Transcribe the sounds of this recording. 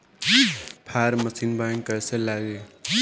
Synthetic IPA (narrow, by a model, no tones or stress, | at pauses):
pʰaɾməsinbajəŋkəɾsẽlaɡe